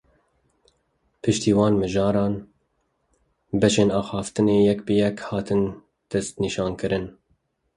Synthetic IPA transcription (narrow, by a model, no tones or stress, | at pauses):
pʰɨʃt̪iːwɑːnmɨʒɑːɾɑːn | bɛʃeːnɑːxɑːft̪ɨneːjɛkbɨjɛkhɑːt̪ɨn | d̪̥ɛst̪niːʃɑːnkɨɾɨn